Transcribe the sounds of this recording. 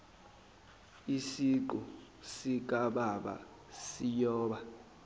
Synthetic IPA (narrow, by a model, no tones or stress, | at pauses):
isiǃɔ | sik̬ʼaɓaɓa̰ | sijɔːɓa